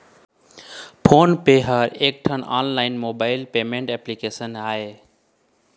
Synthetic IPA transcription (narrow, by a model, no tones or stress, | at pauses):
pʰoːnpeːɦəɾeːk̚ʈʰəna̰ːnlaːɪnmoːbaːɪlpeːmẽɳʈɛːplikeːsənaːɦeː